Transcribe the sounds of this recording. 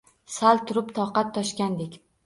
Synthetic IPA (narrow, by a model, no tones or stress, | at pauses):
salt̪ʰʊɾɪpt̪ʰɒqɑt̪ʰːɒʃkʲand̪ekʲ